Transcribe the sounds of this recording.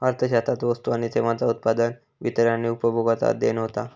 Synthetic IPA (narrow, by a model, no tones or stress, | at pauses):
aɾt̪ʰəɕat̪at̪ʋəst̪uaɽ̃it̪ʰeʋat͡saut̪̚pad̪ən | ʋit̪əɾjanːiupəbʱoɡat̪a̰d̪enɦot̪a